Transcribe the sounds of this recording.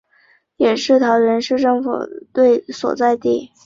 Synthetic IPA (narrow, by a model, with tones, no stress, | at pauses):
jɛ˨˩ʂɻ̩˥˩t̪ʰɑ˧˥ʊɥə˧˥nʂɻ̩˥˧ʈ͡ʂɤ˥˩ŋfṵ˨˩t̪we˥˩ɪswɔ̰˨˩t͡sa˥˧ɪt̪i˥˩